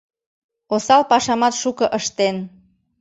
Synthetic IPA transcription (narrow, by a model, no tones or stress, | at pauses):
osɑlpɑʃɑmɑt̪ʃukə̆ʔəʃt̪en